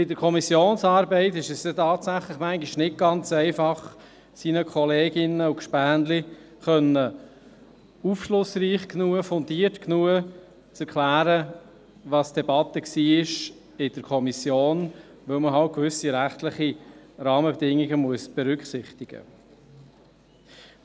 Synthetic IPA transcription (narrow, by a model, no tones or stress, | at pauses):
b̥ɪdəɾkʰɔmisjoːnsɑːɾbɛɪt̪ɪʃɛstɛt̪ɑːtsæχlɪχmæŋɡiʃnɪt̚ɡ̥ɑnt͡sɛɪfɑχ | siːnəkʰɔleːɡɪnəukʃpæːnli | χœnːə | ufʃlʊsriːχknuəfɔnd̪iəɾtknuə | t͡sɛɾkʰlæːɾə | ʋɑsd̥̪ɛb̥ɑt̪ːəksiːɪʃ | ɪd̥əɾkʰɔmisjoːn | ʋœlməɦɑlt̚kʋʏsiɾæχt̪lɪχiɾɑːməbed̥ɪŋːiɡəmuəsb̥ɛɾʏkχsɪχt̪ɪɡ̥ə̰